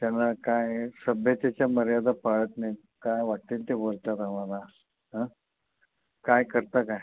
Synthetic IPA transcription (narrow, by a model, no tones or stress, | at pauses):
t̪janːakajsəbʱjət̪at͡ɕjaməɾjad̪ʱapaɭət̪naj | kajʋaʈt̪int̪eʋoɾt̪at̪aʋana | ɦã | kajkəɾt̪akaj